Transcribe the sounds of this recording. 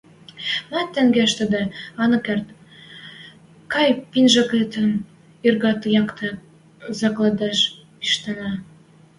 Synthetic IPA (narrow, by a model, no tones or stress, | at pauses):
mɑt̪ːæŋɡæʃt̪ə̆d̪ĕɑnɤ̆kert̪ | kɑjpinʒɑket̪ə̆n | irɣɑt̪jɑkt̪ʰɤ̆ | zɑklɑd̪ɑʃ | iʃt̪ɑnɑ